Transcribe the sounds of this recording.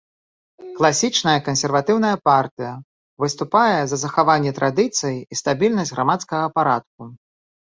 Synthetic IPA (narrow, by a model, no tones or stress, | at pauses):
klˠasʲit͡ʂnɐjɐkɐnsʲɛrvat̪ɨwnɐjɐpart̪ɨjɐ | vɨst̪upajɛzɐzɐxavanʲːɛt̪ɾʔad̪ɨt̪sɨjiist̪abʲilʲnɐsʲɣɾamat̪skɐɣɐpaɾat̪̚k̚u